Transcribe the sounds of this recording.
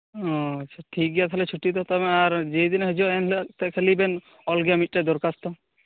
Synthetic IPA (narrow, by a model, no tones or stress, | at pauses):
ɦɔ̃ətːʃʰaʈʰik̚ɡijat̪ʰalɛt͡ʃʰuʈːit̪ɔt̪ɔmɛ̃aɾd͡ʒejd̪inɦəd͡ʒɔɛnlt̪ɛkʰelibɛn | ɔlɡjamiʈ̚ʈed̪ɔɾkast̪ɔ